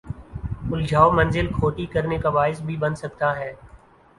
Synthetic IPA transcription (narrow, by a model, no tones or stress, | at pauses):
ʊld͡ʒʱaːomɐ̃nzɪlkʰoːʈikɐɾnekabaːɪs̬bʱibɐnsɐk̚t̪aɦɛː